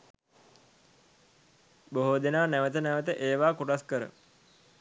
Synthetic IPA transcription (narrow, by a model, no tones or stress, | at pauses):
boɦod̪enaːnæʋət̪ənæʋət̪əʔeːʋaːkuʈaskəɾə̰